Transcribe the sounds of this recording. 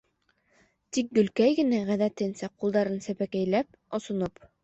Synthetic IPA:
t̪ik̚ɡɵ̆lkæjɡɘ̆næʁæðæt̪ɘ̆nsæqulˠd̪ɑɾɤnsæpækæjlæp̚ | ŏsŏnop

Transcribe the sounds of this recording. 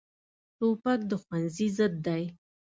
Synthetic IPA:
ʈopak̚d̪əxwanzizəd̪ːaj

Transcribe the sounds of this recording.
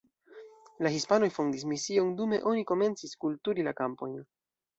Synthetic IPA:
laɦispano̞jfondis̬misiondume̞̰ʔo̞niko̞me̞nt͡siskultuɾilakampo̞̰jn

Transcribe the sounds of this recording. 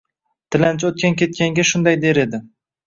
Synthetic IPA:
t̪ʰɪlant͡ʃʰot̪̚kʲankʲʰe̞t̪̚kʲaŋɡʲaʃʊnd̪ajd̪e̞ɾe̞d̪ɪ

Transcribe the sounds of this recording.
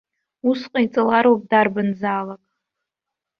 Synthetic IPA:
usqʼait͡sʼalaɾwap̚ʼdarbanzaːlakʼ

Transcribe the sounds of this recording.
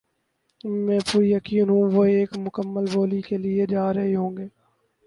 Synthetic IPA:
mɛ̃ːpuːɾijəkiːnɦũːʋoːeːkmʊkəmːəlbʱoːlikelɪed͡ʒaːɾɐɦeɦõːŋɡeː

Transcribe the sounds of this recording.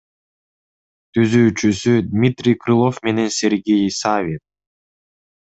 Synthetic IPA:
t̪ʰyzyːt͡ʃysyd̪ʲmʲit̪rʲijkrɨlˠo̞fme̞ne̞nsʲe̞ɾɡʲejsavʲit̪̚

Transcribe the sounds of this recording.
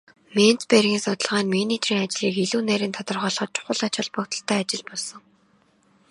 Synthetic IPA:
men̥t͡sperɣʲiːnsʊt̪ə̆ɮʁaːnminit̪ʰriːŋat͡ɕɮiːkiɮuːnæɾʲiːnt̪ʰɔt̪ə̆rχœːɮχɞ̆t̪̚t͡ɕʰʊ̥χə̆ɮat͡ɕə̆ɮpɔ̆kt̪ə̆ɬt̪ʰæːat͡ɕɪ̆ɮpɔɮsɞ̆ŋ

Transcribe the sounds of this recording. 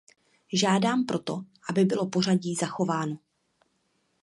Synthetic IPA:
ʒaːdaːmpɾʔo̞t̪o̞ʔabɪbɪlo̞po̞r̝aɟiːzaxo̞vaːno

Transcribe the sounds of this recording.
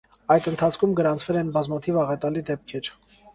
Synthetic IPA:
ɑjd̪ənt̪ʰɑt͡sʰkʰumɡəɾɑnt͡sʰvɛlɛnbɑzmɑt̪ʰivɑʁɛt̪ɑlid̪ɛp̚kʰɛɾ

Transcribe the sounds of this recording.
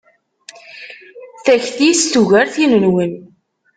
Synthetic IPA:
θæçθist̪uʝæɾθinənwən

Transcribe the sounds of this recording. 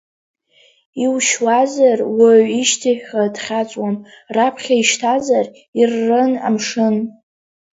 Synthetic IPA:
iwʃwazarwaɥiʃtʰaħʲadχʲat͡sʷʼwamrapʰχʲaiʃtʰazar | irːɨna̰mʂɨn

